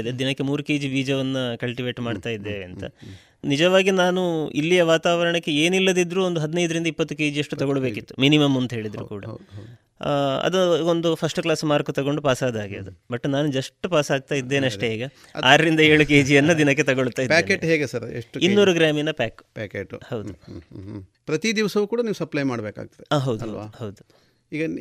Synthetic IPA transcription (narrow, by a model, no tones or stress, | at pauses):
d̪ed̪inɐkːe̞muːɾukeːd͡ʒibiːd͡ʒɐʋɐnːɐkɐɭʈiʋe̞ːʈmaːɖt̪aːjid̪ːeɐnt̪ɐ̰ | nid͡ʒɐʋaːɡinaːnuḭlːijɐʋaːt̪aːʋɐɾɐɳɐkːe̞e̞ːnilːɐd̪id̪ɾuːond̪uɦɐd̪inɐjd̪ɐɾind̪ɐipːɐt̪ːuke̞ːd͡ʒijɐʂʈːut̪ɐɡoɭɐbe̞ːkit̪ːu̥minimɐmɐnt̪ɐɦe̞ːɭid̪ɾṵkuːɽɐ̰ | ɐ̰d̪uond̪upʰɐsʈuklaːsmaːɾkut̪ɐɡo̞ɳɖupaːsaːd̪aːɡiɐd̪ubɐʈːnaːnud͡ʒɐʂʈːupaːsaːɡ̚t̪aːjid̪ːe̞ːnɐʂeiːɡɐ | aːɾɐɾind̪ɐe̞ːɭuke̞ːd͡ʒijɐnːud̪inɐk̬ːe̞t̪ɐɡoɭut̪ːaːjidpɛːkeʈɦeːɡesɐɾḛʂʈinːuɾuɡɾaːminɐpaːkpɛːkeʈhɐwd̪u | pɾɐt̪id̪iʋɐsɐʋukuːɽɐniːʋusɐplɐjmaːɽbeːka̰ːɡ̚t̪ɐd̪eaːɦɐwd̪uɦɐ̰d̪uhɦɐwd̪u | iːɡɐ